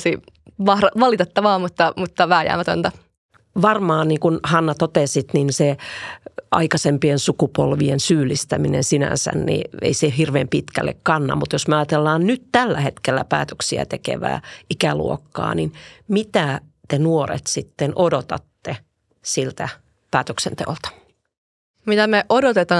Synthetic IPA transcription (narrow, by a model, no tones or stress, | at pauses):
siʋɑhɾɑʋɑlit̪et̪ːɑʋɑːmut̪ːɑmut̪ːɑʋæːjæ̰ːmæt̪o̰nt̪ɑ | ʋɑrmɑːnniːŋkunhɑnːɑt̪ot̪esit̪ninse | ʔɑ̰ikɑsempiensukupolʋiensyːlːˑist̪æminḛnsinæ̰nsæ̰nnḭḛisehirʋeːmpit̪kælːḛkkɑnːɑ̰mut̪josmeɑjɑt̪elːɑːnnyt̪t̪ælːæhet̪kelːæ̰pæ̰ːt̪øksiæ̰t̪ekḛʋæ̰ːikælṵokːɑ̰ːninmit̪æt̪enuorḛt̪sit̪ːenʔodot̪ɑt̪ːe | silt̪æ | pæːt̪øksent̪ḛolt̪ɑ̥ | mit̪æmeʔodot̪et̪ɑ